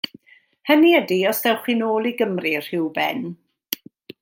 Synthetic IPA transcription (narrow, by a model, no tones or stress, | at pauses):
həniədiɔsðɛwχinoːlˠiɡəmrir̥ɪwbɛ̰n